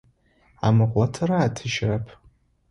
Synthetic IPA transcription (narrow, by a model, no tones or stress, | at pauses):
a̰mɨqʷʼlatʰɨɾaːtʰɨʒrapʰ